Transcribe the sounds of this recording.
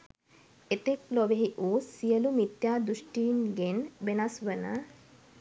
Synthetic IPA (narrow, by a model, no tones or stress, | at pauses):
et̪ekloʋeɦiʔuːsijəlumit̪jaːd̪ɾuʂʈiːnɡenʋenasʋənə̰